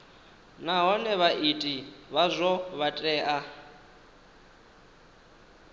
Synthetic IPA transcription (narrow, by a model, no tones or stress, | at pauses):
naɦɔnɛβaʔitʼiβazʷɔβatʼɛːʔa